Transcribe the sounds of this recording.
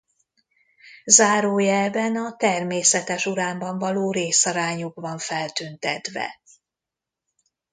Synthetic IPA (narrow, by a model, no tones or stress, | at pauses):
zaːɾoːjɛbɛnɒt̪ɛrmeːsɛt̪ɛʃuɾaːmbɒɱvɒloːɾeːsɒɾaːɲuɡbɒɱfɛlt̪ynt̪ɛt̪vɛ̰